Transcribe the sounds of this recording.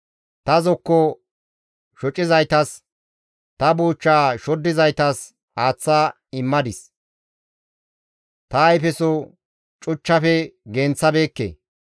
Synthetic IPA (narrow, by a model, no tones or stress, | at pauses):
t̪ɐzɔkːɔ | ʃɔt͡ʃʼːɪzɐjt̪ɐs | t̪ɐbuːt͡ʃːaːʃɔd̪ːɪzɐjt̪ɐs | haːt͡sːaː | ɪmːɐd̪ɪs | t̪ɐːjpɛsɔ | t͡ʃʼʊt͡ʃːɐfɛɡeːnt͡sːɐbe̞ːkːḛ